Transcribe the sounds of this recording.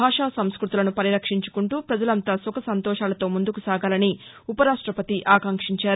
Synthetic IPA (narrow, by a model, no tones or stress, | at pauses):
aːʂaːsɐmskɾut̪ulɐnupɐɾiɾɐkʂiɲt͡ʃu̥kuɳʈuːpɾɐd͡ʒɐlɐnt̪aːsɔkɐsɐnt̪ɔːʂaːlɐt̪o̞ːmund̪ukusaːɡaːlɐni | upɐɾaːʂʈɾɐpɐt̪iʔaːkɐŋkʂiɲt͡ʃaːɾ